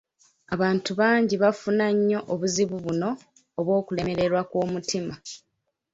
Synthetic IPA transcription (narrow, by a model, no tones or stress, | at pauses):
aβaːntuβaːɲɟiβafunaɲːo̞ʔoβuziβuβuno̞ː | βwo̞ːkule̞me̞ɾe̞ɾwakwo̞ːmutima